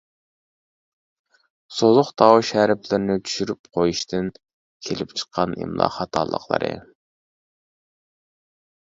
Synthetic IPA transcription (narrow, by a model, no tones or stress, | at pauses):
sozʊχt̪ʰɑwʃæɾɪplɪɾnɪt͡ʃ̪ʰy̥ʃyɾyp̚qʰojuʃt̪ʰɨn | kʲʰelɪpt͡ʃʰə̥qʰːɑnḭmlˠɑ̰ːχɑt̪ʰɑ̰ːlˠə̰qlˠə̰ɾɨ̰